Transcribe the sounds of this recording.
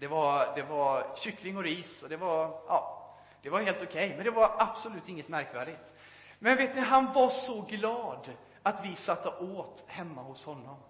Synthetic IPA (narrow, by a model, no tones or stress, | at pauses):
d̪ɛvaɾd̪ɛvaɾɕʏkːlɪŋɔɾiːsɔd̪ɛvaɾɑː | d̪̥ɛvaɾheːlt̪ʊkʰɛjmɛnd̪ɛvaɾab̥sʊlʉ̟ːt̪ɪŋːət̪mæɾkvæːɖɪt̪ | mɛnveːt̪nɪɦanvaʂɔɡlɑːd̪ | at̪vɪsat̪ːəʔoːt̪hɛmːahʊshɔnːɔm